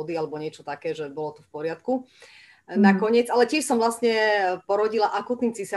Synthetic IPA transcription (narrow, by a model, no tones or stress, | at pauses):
ɔd̪ialɛbɔɲɪɛt͡ʃɔt̪akɛːʒɛbɔlɔt̪ɔfpɔɾɪat̪ku | nakɔɲɪɛt͡salɛcɪɛʃsɔmvlasɲɛpɔɾɔɟilaʔakuːt̪niːmt͡sisa